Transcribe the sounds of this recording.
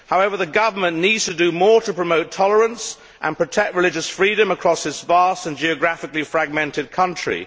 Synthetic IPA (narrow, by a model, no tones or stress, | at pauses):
haʊɛvə˞ðɨɡʌvə˞mə̃nːidz̥tʰədɨmɔːɹɾəpʰɹ̥əmoʊtʰɒlˠəɹə̃ns | ʔə̰̃npʰɹ̥ɨtʰɛk̚t̚ɹɨlɪd͡ʒɨsfɹiɾɨ̃məkʰɹ̥ɔsɨzvæstə̃nd͡ʒiɨɡɹæfɨklifɹæɡ̚mɛ̃ntɨd̚kʰʌ̃nt͡ʃɹ̥ḭ